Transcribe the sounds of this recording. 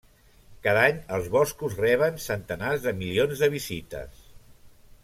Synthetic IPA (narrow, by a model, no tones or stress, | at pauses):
kaðaɲəlˠzβɔskuzrɛβ̞ənsənt̪ənazðəmilionzðəβ̞izit̪ə̰s